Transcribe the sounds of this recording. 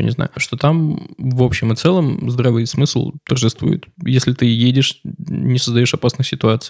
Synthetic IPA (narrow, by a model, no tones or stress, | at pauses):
nʲɪ̰zna̰jʊʂt̪o̞t̪amvo̞pɕːɪmɨt̪sɛlˠəmzd̪ɾavɨsmɨsl̩ˠt̪ərʐɨst̪vṵjɪ̰t̪jesʲlʲɪt̪ɨjedʲɪʂnʲɪsəzd̪ɐjo̞ʂɐpasnɨsʲsʲɪt̪ʊat̪sɨ